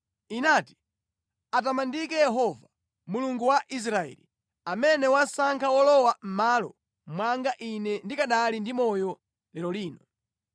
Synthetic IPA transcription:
inaːti̥ | at̬amandikɛjɛɦɔva | muluŋɡuwaʔis̬ɾaɛ̰ːlḭ | amɛnɛwasaŋkʰawɔlɔwam̩maːlɔ | mwaŋɡaʔinɛndikaɗalindimɔjɔ | lɛlɔliːnɔ

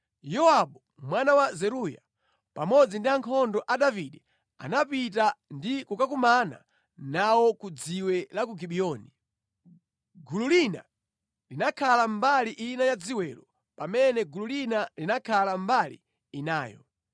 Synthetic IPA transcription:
jɔwaɓɔ | mwanawazɛɾuja̰ | pamɔd͡zindiaŋkʰɔndɔʔaɗaviɗɛ | a̰napitandikukakumana̰ | nawɔkud͡ziwɛlak̬uɡiɓiɔːni | ɡululina̰ | linakʰalambaliʔinajad͡ziwɛlɔ | pamɛnɛɡululinalinakʰalambalḭː | naːjɔ̰

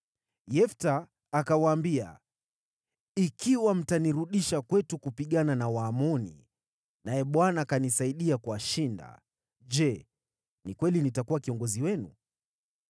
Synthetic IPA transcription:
jɛftaː | kawaːmbia̰ | ikiwam̩taniɾuɗiʃakwɛtukupiɠananawaːmɔnḭ | najɛɓwanaːkanisaiɗiakuaʃinda̰ | ʄɛ | nikwɛlinitakuwakiɔŋɡɔziwɛnṵ

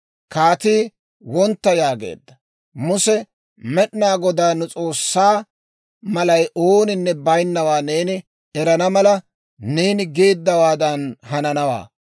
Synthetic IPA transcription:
kaːt̪iː | wɔnt̪ːɐjaːɡe̞̰ːd̪ːɐ | mʊsɛ | mɛɗnaːɡɔd̪aːnʊt͡sʼo̞ːsːaː | mɐlɐjʔoːnɪnːɛbɐjnːɐwaːne̞ːnɪ | ɛɾɐnɐmɐlɐ | neːnɪɡe̞ːd̪ːɐwaːd̪ɐnɦɐnɐnɐwa̰ː

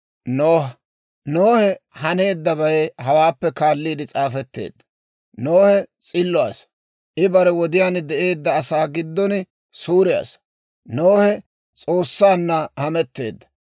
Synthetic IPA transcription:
noːh | noːhɛhɐne̞ːd̪ːɐbɐjhɐwaːpːɛkaːlːiːd̪ɪt͡sʼaːfɛt̪ːe̞̰ːd̪ːɐ̥ | noːhɛt͡sʼɪlːʊa̰ːs | ʔɪbɐɾɛwɔd̪ɪjaːnd̪ɛʔe̞ːd̪ːɐːsaːɡɪd̪ːɔn | suːɾɪja̰s | noːhɛ | t͡sʼo̞ːsːaːnːɐhɐmɛt̪ːe̞̰ːd̪ːɐ̥

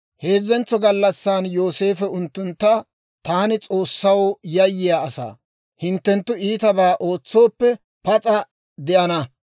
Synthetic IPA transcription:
he̞ːzɛnt͡sːɔɡɐlːɐsːaːnjo̞ːse̞ːfɛʊnt̪ːʊnt̪ːɐ | t̪aːnɪt͡sʼo̞ːsːɐwjɐjːɪjaːsa̰ː | hɪnt̪ːɛnt̪ːʊiːt̪ɐbaːʔo̞ːt͡sːo̞ːpːɛ | pɐt͡sʼɐ | d̪ɛʔɐnɐ

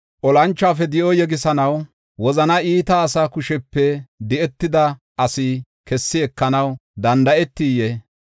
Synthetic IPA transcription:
ʔɔlɐnt͡ʃːaːfɛd̪ɪʔɔjɛɡɪsɐnɐw | wɔzɐnɐʔiːt̪ɐːsakʊʃɛpːɛd̪ɪʔɛt̪ːɪd̪ɐ | ʔɐsɪ | kɛsːɪɛkːɐnɐwd̪ɐnd̪ɐʔɛt̪ːije

